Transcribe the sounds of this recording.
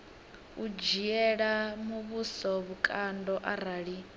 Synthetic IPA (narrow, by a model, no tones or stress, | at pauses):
ud͡ʒiɛɺamuβusɔβukʼandɔʔaɾ̤aːɺi